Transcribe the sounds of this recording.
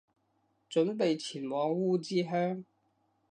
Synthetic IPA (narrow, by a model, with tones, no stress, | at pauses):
t͡sɵ˨˥npe˨jt͡sʰiː˨˩nwɔː˨˧ŋwuː˥˩t͡siː˥ɦœː˥ŋ